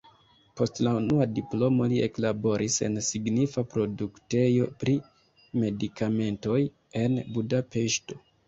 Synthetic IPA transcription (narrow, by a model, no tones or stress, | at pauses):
po̞stlaunuadiplo̞mo̞liḛklabo̞ɾʔise̞̰nsiɡnifapɾo̞dukte̞jo̞pɾi | me̞dikʰame̞nto̞j | e̞nbudape̞ʃto̞̥